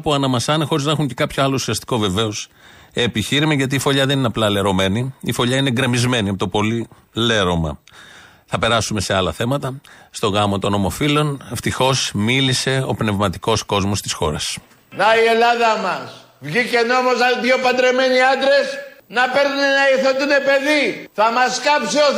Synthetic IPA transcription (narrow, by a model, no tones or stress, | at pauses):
puɐnɐmɐsɐnexo̞ɾiznɐexuɲce̞kɐpçoɐlousiɐst̪i̥ko̞ve̞ve̞osː | piçiɾimɐʝɐt̪iːfo̞ʎɐðenineɐplɐle̞ɾo̞me̞niifo̞ʎɐineɡɾe̞mizme̞niɐpot̪opo̞li | le̞ɾo̞mɐ̰ | θɐpe̞ɾɐsume̞se̞ɐlɐθe̞mɐt̪ɐst̪o̞ɣɐmo̞t̪o̞no̞mo̞filo̞ne̞ft̪ixo̞smilise̞o̞̰pne̞vmɐt̪iko̞sko̞zmo̞st̪i̥sxo̞̰ɾɐ̰s | nɐie̞lɐðɐmɐs | vʝicenomozɐðjopɐnd̪ɾe̞me̞niɐnd̪ɾe̞snɐpe̞ɾnunenɐiθet̪unepe̞ðiθɐmɐskɐpsio